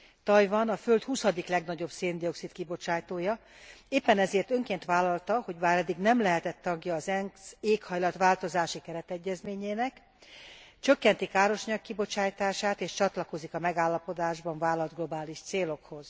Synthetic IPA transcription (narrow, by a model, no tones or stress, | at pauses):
t̪ɒjvɒnɒfø̞lt̪husɒd̪iklɛɡnɒɟo̞bseːnd̪io̞ksit̪kibo̞t͡ʃaːjt̪oːjɒ | eːpːɛnɛzeːrt̪ø̞ŋkeːnt̪ʋaːlɒlt̪ɒho̞ɟbaːɾɛd̪ːiɡnɛmlɛɦɛt̪ɛt̪ːɒɡjɒːzɛŋseːkhɒjlɒt̪ʋaːlt̪o̞zaːʃikɛɾɛt̪ɛɟːɛzmeːɲeːnɛk | t͡ʃø̞kːɛnt̪ikaːɾo̞ʃɒɲɒkːibo̞t͡ʃaːjt̪aːʃaːt̪eːʃt͡ʃɒt̪lɒko̞zikɒmɛɡaːlːɒpo̞d̪aːʒbɒɱvaːlɒld̪ɡlo̞baːliʃt̪seːlo̞kho̞z̥